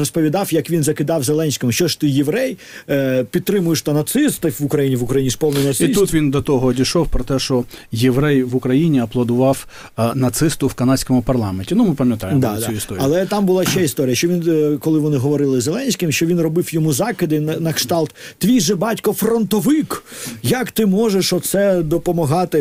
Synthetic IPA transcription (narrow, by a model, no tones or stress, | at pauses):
ɾɔspɔʋʲid̪ɑwjɐkʋʲinzɐkɪd̪ɑwzelˠɛnʲsʲkɪmʊʃt͡ʃɔʂt̪ɪjeʋɾɛj | pʲid̪̚t̪ɾɪmʊjeʃt̪ɐnɐt̪sɪst̪ɪfʋʊkɾɐjinʲiʋʊkɾɐjinʲispɔwnɪjnɐt̪iist̪ut̪ʋʲind̪ɔt̪ɔɦɔdʲiʃɔwpɾɔt̪ɛʃt͡ʃɔjeʋɾɛjʋʊkɾɐjinʲiɐplˠɐd̪ʊʋɑw | nɐt̪sɪst̪ʊwkɐnɑsʲkɔmʊpɐrlˠɑmenʲtʲinumɪpɐmʲjɐt̪ɑjd̪ɑɐd̪suist̪ɔɾiɐlˠɛt̪ɑmbʊlˠɑʃt͡ʃɛist̪ɔɾʲijɐʃt͡ʃɔʋʲinkɔlˠɪʋɔnɪɦɔʋɔɾɪlˠɪzelˠɛnʲsʲkʲɪmʃt͡ʃɔʋʲinrɔbɪfjɔmuzɑkɪd̪ɪnnɐkʂt̪ɑlˠt̪ːʋʲijʒɛbɑtʲkɔfrɔnt̪ɔʋɪkjɐkt̪ɪmɔʒeʂɔt̪sɛd̪ɔpɔmɐɦɑt̪ɪ